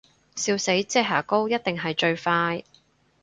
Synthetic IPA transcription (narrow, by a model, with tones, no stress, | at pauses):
siː˧wse˨˥jt͡sɛː˥ɦaː˨˩ko˥wjɐ˥t̚t̪ɪ˨ŋɦɐ˨jt͡ʃɵ˧ɥfaː˧j